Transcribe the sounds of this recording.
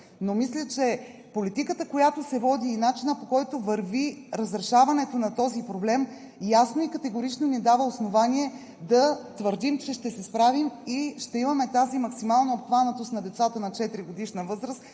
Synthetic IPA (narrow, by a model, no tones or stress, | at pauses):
nomislʲət͡ʃɛ | polit̪ikət̪əkojat̪osɛvɔd̪iːnat͡ʃinəpokɔjt̪ovəɾviɾəzɾɛʃavɐnɛt̪onɐt̪ɔzipɾoblɛm | jasnoikət̪ɛɡoɾit͡ʃnonid̪avəosnovanʲiɛ | d̪ɐt̪vəɾd̪imt͡ʃɛʃt̪ɛsɛspɾavimiʃt̪ɛimɐmɛt̪azimɐksimalˠnɐopxvanət̪ost̪nɐd̪ɛt̪sat̪ənɐt͡ʃɛt̪ɾiɡod̪iʃnəvɤzɾəst̪